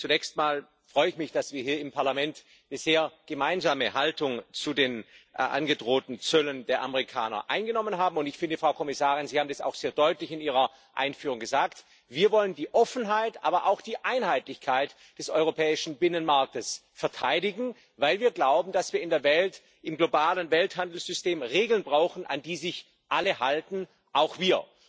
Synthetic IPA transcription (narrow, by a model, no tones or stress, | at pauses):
t͡sunɛçstmaːl | fʁ̥ɔʏəɪçmɪçd̥asv̥iːɐɦiːɐɪmpʰaɐlamɛntː | nəzeːɐɡ̥əmaɪnzaːməhaltʊŋt͡sudeːnʔʔa̰nɡədʁoːtn̩t͡sœləndeːɐʔa̰məʁ̞ikʰaːnɐ̰ʔa̰ɪnɡənɔmənɦaːbm̩ʊntɪçfɪndəfʁ̥aʊkʰɔmɪsaːʁɪnzihaːbm̩dɛsa̰ʊxz̥eːɐdɔʏtlɪçɪniːʁ̞ɐ | ʔa̰ɪnfyːʁʊŋɡəzaːkt | viːɐvɔləndiːʔɔfn̩ɦaɪtʔa̰ːbɐʔa̰ʊxd̥iːʔaɪnhaɪtlɪçkʰaɪt | d̥ɛsʔɔʏʁ̞opʰɛːɪʃn̩bɪnənmaɐk̚təsfɛɐtʰaɪɾɪɡŋ̩ | vaɪlviːɐɡlaʊbm̩dasv̥iːɐɪndeːɐvɛlt | ɪmɡlobaːlənvɛlthandl̩sz̥ʏsteːmʁeːɡl̩nbʁaʊxn̩ʔa̰ndiːzɪç | ʔaləɦaltn̩ | ʔaʊxv̥iːɐ